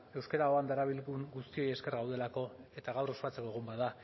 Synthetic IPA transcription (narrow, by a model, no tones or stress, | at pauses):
e̞wskeɾao̞and̪aɾaβ̞ilɣuŋɡust̪io̞jeske̞rɣawðe̞lako̞e̞t̪aɣawɾo̞spat͡se̞ko̞eɣ̞umbaða